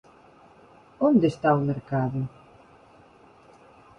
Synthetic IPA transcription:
õnd̪est̪aumeɾkaðʊ

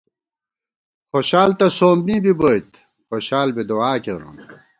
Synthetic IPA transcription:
xoɕaːlt̪ɐsoːmbĩːbibojt̪ | xoɕaːlbid̪oaːkeɾṵn

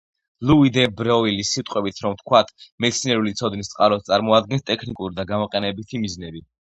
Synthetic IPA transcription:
luid̪ɛbɾɔilisːit̪ʼqʼwɛbit̪ʰɾɔmt̪ʰkʰwat̪ʰmɛt̪sʰinɛɾulit̪sʰɔd̪nist̪sʼqʼaɾɔst̪sʼaɾmɔad̪̚ɡɛnst̪ʼɛkʰnikʼuɾid̪aɡamɔqʼɛnɛbit̪ʰimiznɛbi

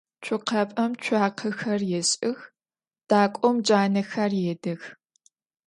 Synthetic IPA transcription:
t͡ʃʰʊqʰɐpʼɐmt͡ʃʷʰaːqʰɨxɐrjɛɕʼɪx | d̥aːkʷʼɔmd͡ʒaːnɐxɐrjeːdɨx

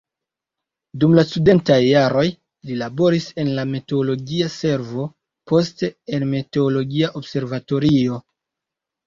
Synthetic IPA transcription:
dumlastude̞ntajːaɾo̞j | lilabo̞ɾise̞nlameteolo̞ɡiase̞ɾvo̞ | po̞ste̞enmeteolo̞ɡiaʔo̞bse̞ɾvato̞ɾio̞

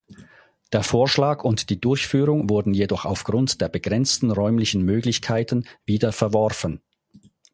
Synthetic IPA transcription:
d̥eːɐfoːɐʃlaːkʊntd̥iːdʊɐçfyːʁʊŋvʊɐdn̩jedɔχa̰ʊfɡ̥ʁʊntd̥eːɐbəɡʁɛnt͡stn̩ʁɔʏmlɪçən̩møːɡlɪçkʰaɪtən̩viːdɐfɛɐvɔʁfən

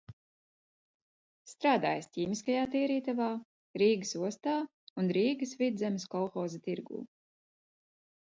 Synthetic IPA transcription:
st̪ɾaːd̪a̰ːjstʲiːmiskajaːt̪iːɾiːt̪avaː | ɾiːɡsuɔst̪aː | unɾiːɡɨsvid̪zʲɛmʲskɔlˠxɔːzɐt̪iɾɡṵː

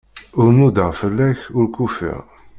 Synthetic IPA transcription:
ʊɾnud̪əʁfəlːæçʊɾkufḭʁ

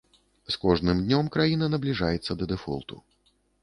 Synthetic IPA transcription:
skɔʐnɨmd̪ʲnʲɔmkɾajinɐnɐblʲiʐajɛt̪sːɐd̪ɐd̪ɛfɔ̰lˠt̪ṵ

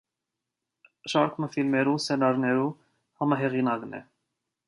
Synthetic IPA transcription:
ʃɑɾkʰməfilmɛɾusɛnɑɾnɛɾu | hɑmɑɦɛʁinɑknɛ̰

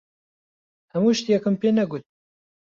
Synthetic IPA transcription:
hɛmuːʃt̪ijɛkɨmpeːnɛɡut̪̚

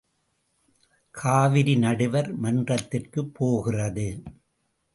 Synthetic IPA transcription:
kʰaːʋɪɾinɐɽɯʋɐɾmɐndrɐt̪ːɪrkɯpːoːɣɪrɐðɯ

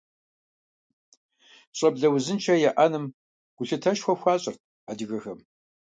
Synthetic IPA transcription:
ɕʼɐbɮɐwzɨnt͡ʃʰɐjɛʔanɨm | ɡ̥ʷʊɬɨtʰɐʃxʷɔxʷaːɕʼɐrt̚ʰ | adɨɣɐxɐm

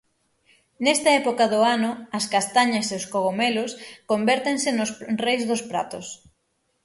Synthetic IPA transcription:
nɛst̪ɐɛpokɐðʊanʊɐskast̪aɲɐseoskoɣomelʊskombɛɾt̪eŋsɪnʊsrejzðʊspɾa̰t̪ʊs

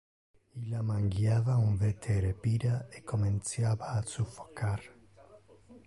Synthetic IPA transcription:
ilamaŋɡjavauɱvet̪ʰeɾepiɾaekomẽnt̪sjaβaːsufo̥kaɾ

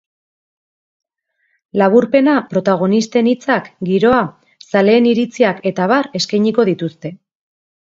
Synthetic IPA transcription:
laβ̞uɾpe̞napɾo̞t̪aɣ̞o̞nist̪e̞nit͡sakɡiɾo̞a | sale̞ːniɾit͡siake̞t̪aβaɾe̞skajɲiko̞ðit̪ust̪e̞

